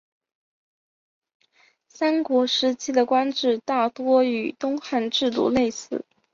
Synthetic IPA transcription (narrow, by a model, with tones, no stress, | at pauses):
sa˥nkwɔ˧˥ʂɻ̩˧˥t͡ɕʰi˥d̪ə˨kwa˥nʈ͡ʂɻ̩˥˧t̪a˥˩t̪wɔ˥y˨˩t̪ʊ˥ŋxa˥˧nʈ͡ʂɻ̩˥˧t̪ṵ˥˧le˥˧ɪsɹ̩˥˩